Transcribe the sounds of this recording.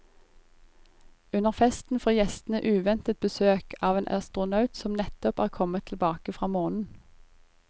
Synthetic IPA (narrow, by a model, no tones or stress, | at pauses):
ʉnəʁfɛst̪n̩fɔːjɛst̪n̩əʔʉːʋɛnt̪ət̪̚bəsøːkʰɑːʋeːnʔɑ̰st̪ʁʊnɑʉt̪sɔmnɛt̪ɔpæːʁkʰɔmət̪ʰlbɑːkəfʁɑːmoːnn̩